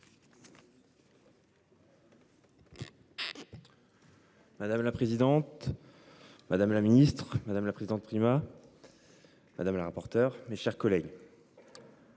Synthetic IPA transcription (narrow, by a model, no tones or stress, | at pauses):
mad̪amlapχezid̪ɑ̃t̪ | mad̪amlaminist̪χmad̪amlapχezid̪ɑ̃t̪̚pχima | mad̪amlaʁapɔʁt̪œʁmeʃɛʁkɔlɛɡ